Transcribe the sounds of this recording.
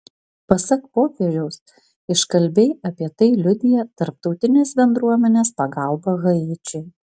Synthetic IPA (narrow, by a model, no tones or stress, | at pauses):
pɐsɐkpoːkʲeʒʲɛʊs | ɪʃkɐlʲbʲeɪɐpʲiɛt̪ɐɪlʲʊd̪ʲɪjɛt̪ɐɾp̚t̪ɒʊt̪ʲɪnʲeːsbʲɛnd̪ɾuɔmʲɛnʲeːspɐɡɐˑlˠbɐɣɐɪt͡ʃʲɛɪ